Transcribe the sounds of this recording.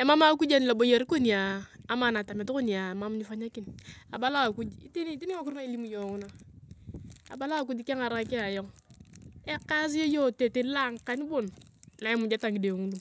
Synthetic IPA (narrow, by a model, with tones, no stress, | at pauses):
ɛ˨ma˦ma˦ku˦d͡ʒa˦n˨la˨bo˨ja˨ɾko˦ni˨aː˨ma˨na˨ta˨mɛ˨tko˦ni˨a˨ma˦mɲi˦fa˦ɲa˦ki˦na̰˨ba˦la˦a˨ku˦d͡ʒḭ˦ti˦ni˦ti˦ni˦ŋa˦ku˦ɾna˦i˦li˦mu˨jɔ˨ŋu˦na˦ | a̰˨ba˦la˦a˨ku˦d͡ʒi˦ke˦ŋa˨ɾa˦kɛ˦a˨jɔ˦ŋ | ɛ˦ka˦s̬i˦o˦jɔ˦te˨te˦la˦ŋka˦ni˦bʊ˦˨nla˨˦ɛ˦mu˨d͡ʒa˦ta˨ŋɡi˨de˨ŋu˦du˨